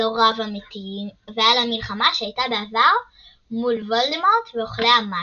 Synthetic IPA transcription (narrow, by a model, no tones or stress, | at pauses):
oʁavamet̪iivealamilχamaʃeajtabeavaʁ | mulvo̞ld̪emoʁt̪veoχleama